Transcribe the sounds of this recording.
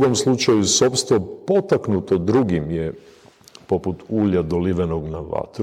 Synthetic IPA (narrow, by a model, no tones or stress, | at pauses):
ɡo̞mslˠut͡ʃajuso̞pst̪ʋo̞po̞t̪aknut̪o̞d̪ɾuɡimje | po̞put̪uːʎad̪oliʋenoɡnaʋa̰t̪ɾ